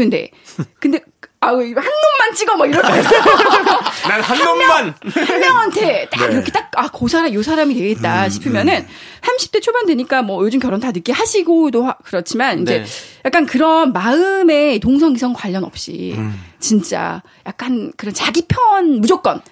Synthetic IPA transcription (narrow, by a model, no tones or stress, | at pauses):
kɯnde̞̰ | kɯnde̞ | ahanːonmant͡ɕ͈iɡʌmaɡiɾʌ | nahaaonɲanhaʌŋantʰe̞t͈aɡiɾʌkʰe̞t͈ak̚akosʰaɾajosʰaɾamitwe̞ɡet̚t͈aɕʰi̥pʰɯmjʌnɯnsʰamɕʰi̥p̚t͈et͡ɕʰobandwe̞ɲik͈amwʌjod͡ʑumkjʌɾontanɯk͈ehaɕʰiɡodohakɯɾʌt͡ɕʰimanind͡ʑe̞jak͈ankɯɾʌnmaɯme̞toŋsʰʌŋisʰʌŋkwaʎːʌnʌp̚ɕ͈ḭt͡ɕint͡ɕ͈a̰ | jak̚k͈ankɯɾʌnt͡ɕaɡipʰjʌʌnmud͡ʑʌk̚k͈ʌ̰n